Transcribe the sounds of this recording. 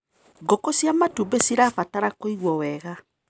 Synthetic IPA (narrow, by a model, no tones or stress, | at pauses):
ɡokosjamatubesiɾapataɾakoiɣwɔwɛɣa